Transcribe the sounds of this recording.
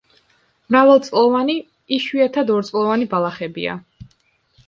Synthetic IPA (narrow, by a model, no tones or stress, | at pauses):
mɾavɛlˠt̪sʼlˠɔvani | iʃwiɛt̪ʰad̪ɔɾt̪sʼlˠɔvanibalˠaχɛbḭa̰